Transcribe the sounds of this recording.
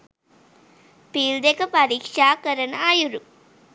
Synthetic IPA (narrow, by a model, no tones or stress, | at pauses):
piːld̪ekːɐpɐɾiːkʂaːkɐɾɐnaːjuɾu